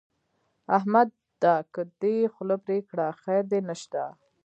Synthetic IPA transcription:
aɦmad̪̚ | d̪akəd̪exʊlopɾekɽaxajɾd̪enəʃt̪a̰

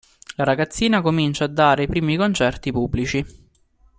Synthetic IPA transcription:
laɾaɡat̪sːiːnakomint͡ʃaːd̪ːaːɾeipɾiːmikont͡ʃɛrt̪ipubːlit͡ʃi

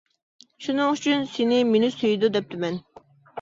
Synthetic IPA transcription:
ʃunɨŋyt͡ʃʰynsɪnɪmenɪsøjd̪ud̪ɛp̚t̪ʰɪmɛn

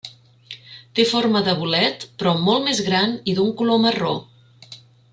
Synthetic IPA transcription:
t̪eforməðəβulɛt̪pɾɔmolˠmezɣɾaniðuŋkuloməro

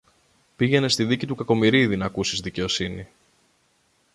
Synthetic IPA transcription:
piʝe̞ne̞st̪iðicit̪ukɐko̞miɾiðinɐkusizðice̞o̞sini

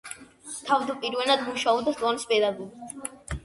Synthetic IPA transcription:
t̪ʰavd̪apʼiɾvɛnad̪muʃaɔbd̪ast̪ʼˠɔnispʼɛd̪aɡuɾɡit̪ʰ

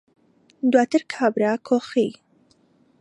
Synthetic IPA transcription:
d̪wat̪əɾkʰabɾakʰoxi

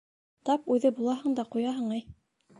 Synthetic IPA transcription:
t̪ɑpʉðɘbulˠɑɦɤɴd̪ɑqujɑɦɤɴɤj

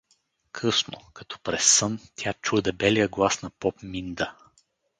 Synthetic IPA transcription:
kʰɤsno̰kɐ̥t̪ɔ̥pɾɛsːɤnt̪ʲjat͡ʃud̪ɛbɛlijəɡlˠasnɐpɔpmind̪ə

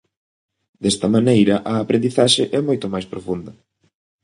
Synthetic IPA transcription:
d̪ɛst̪ɐmanejɾɐʔɐːpɾend̪iθaʃɪʔɛmojt̪ʊmajspɾofund̪ɐ

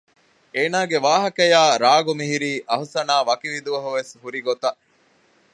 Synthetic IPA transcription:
eːnaːɡeʋaːɦɐkɐjaːɾaːɡumiɦiɾiːʔɐɦusɐnaːʋɐkiʋid̪uʋɐɦuʋeshuɾiɡot̪ɐ

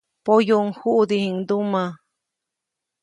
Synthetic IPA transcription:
pojoŋhuʔd̪ihiŋd̪umã

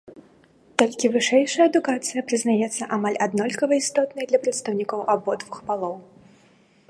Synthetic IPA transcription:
t̪ɔlʲkʲivɨʂɛjʂɐjɐːd̪ukat̪sɨjɐpɾɨznajɛt̪sːɐʔamalʲad̪nɔlʲkɐvɐist̪ɔt̪nɐjd̪lʲɐpɾɐt̪st̪ɐwnʲikɔwʔabɔd̪vuxpalˠɔw

